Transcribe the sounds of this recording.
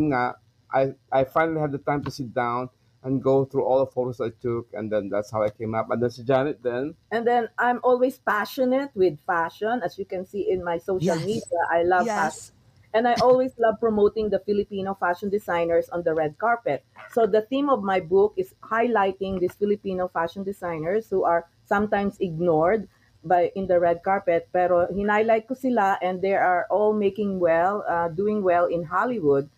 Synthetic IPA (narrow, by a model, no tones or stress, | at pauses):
mŋa | ʔajʔajfajnəlihɛd̪̚dət̪ãɪ̃mt̪usɪt̪̚dãʊ̃n | ʔɛ̃nɡoʊθɹuʔɔldəfotosajt̪ʊkɛ̰̃nd̪ɛ̃nd̪ætshawajkẽɪmapɛ̃nd̪ɛ̃nsəd͡ʒanɪt̪̚d̪ɛ̃nʔɛ̃nd̪ɛ̃nʔãjmʔɔlwespaʃɔnɛt̪̚wɪd̪̚faʃɔ̃nɐsjukɛ̃nsiʔɪ̃nmajsoʃalmid̪iaʔajlʌva | ʔɛ̃nd̪ajʔɔlweslɐv̚pɹɔmowt̪ɪ̃ŋd̪ɐfɪlɪpinofaʃɔ̃nd̪ɪsajnɛɹsɔ̃nd̪ɐɹɛd̪̚kaɹpɛt̪̚sod̪ɐθĩmɔvmajbʊkɪshajlajt̪ɪ̃ŋd̪ɪsfɪlɪpiːnofaʃɔ̃nd̪ɪsajnɛɹshuʔaɹ | sɐ̃mt̪ãj̃msɪɡ̚nɔɹd̪̚ | bajʔɪ̃nd̪ɐɹɛd̪̚kaɹpɛt̪̚pɛɾohɪ̃najlajt̪̚kʊsɪlaʔɛ̃nd̪d̪ɛɹaɹʔɔlmekɪ̃ŋwɛlad̪uɪ̃ŋwɛlɪ̃nɦalɪwʊd̪̚